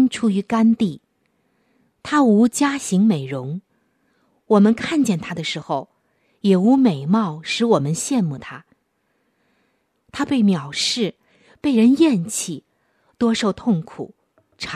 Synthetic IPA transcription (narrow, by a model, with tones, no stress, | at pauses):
nʈ͡ʂʰu˥y˧˥ka˥nt̪i˥˩ | t̪ʰa˥u˧˥t͡ɕja˥ɕi˧˥ŋme˨˩ɪɻʊ˧˥ŋ | wɔ˨˩mə˦nkʰa˥˧nt͡ɕjɛ˥˩nt̪ʰa˥d̪ə˨ʂɻ̩˧˥xo˥˧ʊ | jɛ˨˩u˧˥me˨˩ɪmɑ˥˩ʊʂɻ̩˧˥wɔ˨˩mə˦nɕjɛ˥˧nmu˥˩t̪ʰa˥ | t̪ʰa˥pe˥˩ɪmjɑ˨˩ʊʂɻ̩˥˩ | pe˥˩ɪɻə˧˥njɛ˥˧nt͡ɕʰi˥˩ | t̪wɔ˥ʂo˥˧˩ʊt̪ʰʊ˥˩ŋkʰṵ˨˩ | ʈ͡ʂʰ